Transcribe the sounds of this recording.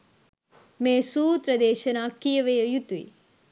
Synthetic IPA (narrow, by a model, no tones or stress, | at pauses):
meːsuːt̪ɾɐd̪eːʃɐnaːkijɐʋejɐjut̪ʋḭː